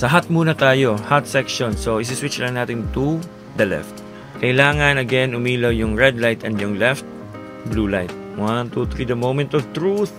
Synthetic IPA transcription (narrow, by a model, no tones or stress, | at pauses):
sɐɦat̪̚muːnɐt̪aːjo̞hat̪sɛkʃonsoʔɪs̬ɪswɪt͡ʃlɐŋnaːt̪ɪnt̪u | d̪ɐlɛ̰ft̪̚ | kɐʔɪlaːŋɐnɐɡɛnʔʊmiːlojʊŋɹɛd̪lajt̪ɛnd̪jʊŋlɛft̪̚ | blulajt̪̚ | want̪ut̪ɾid̪ɐmowmɛ̃nt̪ɔvt̪ɹuθ